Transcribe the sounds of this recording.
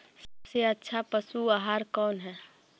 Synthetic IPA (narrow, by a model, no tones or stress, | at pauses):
səbseətːʃʰapəsuaːɦaːɾkɔːnɦɛː